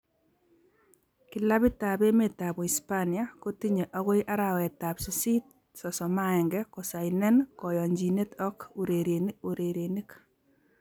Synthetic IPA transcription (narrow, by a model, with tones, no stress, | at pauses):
kila˦bi˦ta˨be˦me˨ta˨bu˨i˨spanijako˦tiɲe˨ʔa˦ɣo˦jʔa˦ɾa˨wɛ˨ta˨psusi˦t̚ | sɔ˨sɔ˨ma˦ɛ˨ŋɡɛkɔ˨sa˨inɛ˦nkɔ˨jɔ˨ɲd͡ʒi˨ne˦tɔ˦kuɾeɾeoɾeɾeni˦k